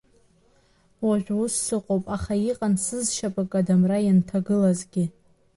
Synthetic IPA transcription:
waʒʷᶣwʊsːɨqʼowpʼaχaiqʼansɨzʃapʼakʼadamrajantʰaɡɨlazɡʲɪ

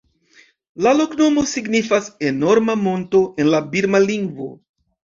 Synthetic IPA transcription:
lalo̞kno̞mo̞siɡnifaseno̞ɾmamo̞nto̞ʔenlabiɾmaliŋɡvo̰

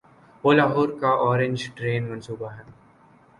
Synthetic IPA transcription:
oːlaːɦoːɾkaʔɔːɾẽɲd͡ʒʈɾeːnmɐnsuːbaɦɛː

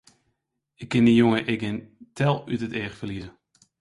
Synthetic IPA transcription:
ɪkːɪnijoŋəʔɪɡɪntʰɛlˠytəteːxfərlizə

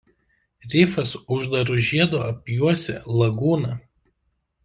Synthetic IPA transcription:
ɾʲɪfɐsʊʒd̪ɐɾʊʒʲiɛd̪oːɐpʲjuɔsʲɛ̰lˠɐɡuːnɐ

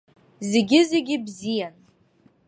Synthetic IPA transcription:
zeɡʲɪzeɡʲɪbzijan

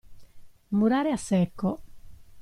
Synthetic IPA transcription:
muɾaːɾeasɛkːo

